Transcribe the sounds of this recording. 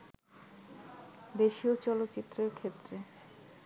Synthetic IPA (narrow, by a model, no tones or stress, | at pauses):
d̪eʃiot͡ɕɔlot̪ːɕit̪ːɾeɾkʰet̪ːɾe